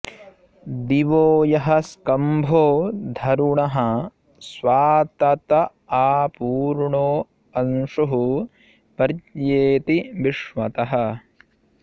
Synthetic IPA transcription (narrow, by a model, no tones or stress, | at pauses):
d̪iʋoːjɐɦɐskɐmbʱoːd̪ʱɐɾuɳɐɦɐ | sʋaːt̪ɐt̪ɐ | aːpuːɾɳoː | ɐnʂuɦu | pɐɾjeːt̪iʋiʂʋɐt̪ɐɦɐ